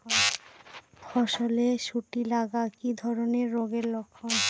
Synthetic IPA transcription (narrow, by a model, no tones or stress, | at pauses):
fɔʃoleʃuʈilaɡakid̪ʱɔɾoneɾːoɡeɾlokʰːo